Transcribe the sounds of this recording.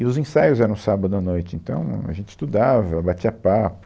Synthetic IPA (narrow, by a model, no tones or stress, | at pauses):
ɪʊzẽsajʊzɛɾɐ̃w̃sabɐd̪ʊanojt͡ʃɪẽnt̪ɐ̰̃w̃a̰ʒẽnt͡ʃɪ̥st̪ud̪avɐbat͡ʃiɐpapʊ